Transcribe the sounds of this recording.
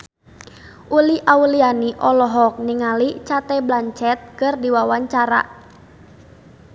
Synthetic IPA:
ʔuliʔaulianiʔɔlɔɦɔk̚niŋalit͡ʃat̪ɛblaɲt͡ʃɛt̪̚kɨrdiwawaɲt͡ʃaɾa̰

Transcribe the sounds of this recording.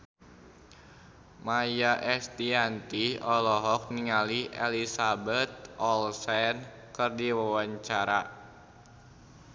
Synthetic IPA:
majaʔɛst̪iant̪iɔlɔɦɔk̚niŋaliʔɛ̰lisabɛt̪̚ɔlsɛn | kɨrdiwawaɲt͡ʃaɾa

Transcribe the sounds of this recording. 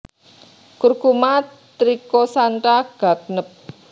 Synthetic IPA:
kurɡuma | t̪ɾikosaɳʈaɡ̥a̤k̚nəp̚

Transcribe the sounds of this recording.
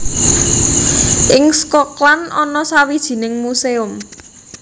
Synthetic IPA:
ʔɪŋskɔklanɔnɔsawid̥ʒ̥i̤nɪŋmuseʊm

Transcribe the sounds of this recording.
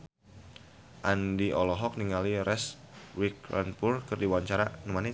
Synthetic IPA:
ʔandiɔlɔɦɔk̚niŋaliɾɛs | wikla̰npurkɨrdiwaɲt͡ʃaɾanumani

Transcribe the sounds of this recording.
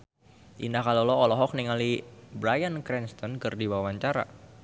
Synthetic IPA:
ʔḭndahkalolɔɔlɔɦɔk̚niŋalibɾajankɾɛnst̪ɔnkɨrdiwawaɲt͡ʃaɾa̰

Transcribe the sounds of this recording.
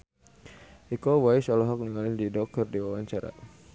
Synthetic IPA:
ʔikɔwaisɔlɔɦɔk̚niŋalɪndidɔk̚t̪ɔrdiwawaɲt͡ʃaɾa̰

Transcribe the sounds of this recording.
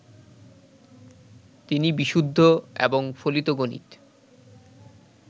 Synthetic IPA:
t̪inibiʃud̪ʱːoḛboŋfolit̪oɡonḭt̪

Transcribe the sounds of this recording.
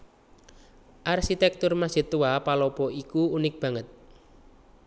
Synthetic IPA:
ʔarʃit̪ɛk̚t̪ʊrmasit̪uwapalɔpɔikuunɪk̚b̥a̤ŋət̪̚

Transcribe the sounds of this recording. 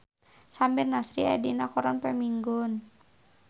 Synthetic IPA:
sambɪrnasɾia̰dinakɔɾanpɛmiŋɡɔn

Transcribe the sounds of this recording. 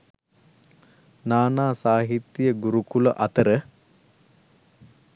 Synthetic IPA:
naːnaːsaːɦit̪ːijəɡuɾukuləʔɐt̪əɾə

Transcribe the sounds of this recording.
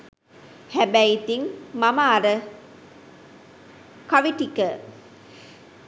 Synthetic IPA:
hæbæjt̪iŋmɐmaːɾə | kɐʋiʈikə

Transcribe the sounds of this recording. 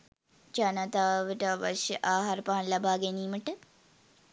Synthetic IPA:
t͡ʃɐnɐt̪aːʋəʈaʋɐ̰ʃʔaːɦaɾpaːnlɐbaːɡeniːməʈə

